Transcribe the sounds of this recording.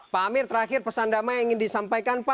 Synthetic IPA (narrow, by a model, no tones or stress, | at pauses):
pamɪrt̪əɾaxɪrpəsandamaaiŋɪndisampajkanpa